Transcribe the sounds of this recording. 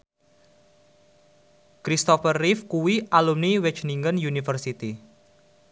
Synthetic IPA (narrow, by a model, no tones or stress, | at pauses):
kɾist̪ɔfərːifkuwiʔalumniwɛt͡ʃniŋɡənjunifərsit̪i